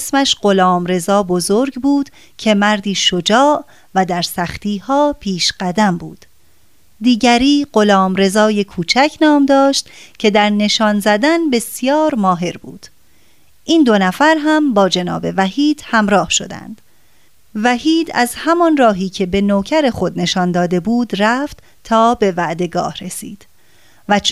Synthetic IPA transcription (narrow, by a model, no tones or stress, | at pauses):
smæʃɢo̞lɒːmɾe̞zɒːbo̞zoɾɡbuːd̪̥ | cʰe̞mæɾd̪iːʃod͡ʒɒːʔ | væd̪æɾsæxt̪ʰiːhɒːpʰiːʃɢ̥æd̪æmbuːd̪̥ | d̪iːɟæɾiːɢo̞lɒːmɾe̞zɒːje̞kʰuːt͡ʃʰæcʰnɒːmd̪ɒːʃt̪cʰe̞d̪æɾne̞ʃɒːnzæd̪ænbe̞sjɒːɾmɒːɦe̞ɾbṵːd̪̥ | ʔiːnd̪o̞næfæɾɦæmbɒːd͡ʒe̞nɒ̰ːbe̞væhiːd̪̥hæmɾɒːhʃo̞̰d̪æ̰nd̪̥ | væɦiːd̪æzhæmɒnrɒːɦiːcʰe̞be̞noːcʰæɾe̞xo̞d̪ne̞ʃɒnd̪ɒːd̪e̞buːd̪ræft̪ | t̪ʰɒːbe̞væʔd̪e̞ɡɒ̰ːhɾe̞sḭːd̪̥ | væ